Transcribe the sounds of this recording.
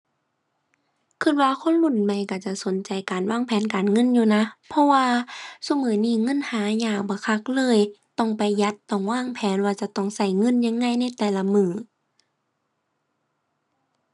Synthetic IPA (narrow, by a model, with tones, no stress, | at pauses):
kʰɯ˧˩t̪̚waː˧˨kʰo˧˥˨nlu˧˩˨nma˧˩jka˧˩t͡ɕa˧˩so˨˦nt͡ɕa˨jkaː˨˩nwaː˧˥˨ŋpʰɛː˨˦nkaː˨nŋɤ˧˥˨njuː˧˨na˧˥pʰɔ˧˥waː˧sa˧˨mɤː˨˦niː˧˩˨ŋɤ˧˥˨nhaː˨˦ɲaː˧˩ŋ̚bɔː˧˦kʰa˧˥˩k̚lɤː˧˥˨jt̪ɔ˧˩ŋpa˨˩jːa˧˦t̪ːɔ˧˩ŋwaː˧˥˨ŋpʰɛː˨˦nwaː˧t͡ɕa˧˦t̪ɔ˧˩˨ŋsa˧˩jŋɤ˧˥˨njaː˧˨ŋːa˧˥˨jna˧˥˨jt̪ɛː˨˩la˧˥mɯː˧˩